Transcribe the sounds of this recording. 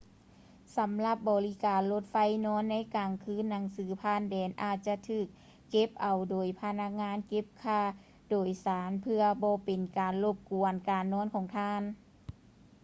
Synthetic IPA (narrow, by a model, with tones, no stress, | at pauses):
sa˨˦mla˧p̚bɔː˨˩li˦˧˥kaː˨˩nlo˧t̪̚fa˧˥˩jnɔː˧˥˨nːa˧˥˨jkaː˨˩ŋkʰɯː˧˥˨nːa˨˩˦ŋsɯː˨˦pʰaː˧˥˨ndɛː˨nʔaː˧˩t̪̚t͡ɕa˧t̪ʰɯː˧˩k̚ː | e˧˥p̚ʔa˨wdoː˨˩jpʰa˧na˧˥k̚ŋaː˧˥˨nke˧˥p̚kʰaː˧˩˨ | doː˨˩jsaː˨˦npʰɯ˧ɐbɔː˧˦pe˨˩nkaː˨˩nlo˧˩p̚ku˨˩ənkaː˨˩nːɔː˧˥˨nkʰɔː˨˧˦ŋt̪ʰaː˧˥˨n